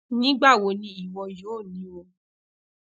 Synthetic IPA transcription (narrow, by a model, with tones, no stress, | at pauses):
nĩ˨˦ɡ͡ba˦˨wo˨˧˦nĩ˧˦i˦˨wɔ̃˧jo˨˦˨nĩ˨˦wo˧